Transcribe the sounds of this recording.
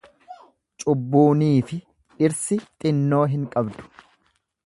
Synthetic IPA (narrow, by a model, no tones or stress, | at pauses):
t͡ʃʼʊbːuːniːfɪ | ᶑɪɾsɪt̪ʼɪnːo̞ːɦɪŋkʼɐbd̪ʊ̥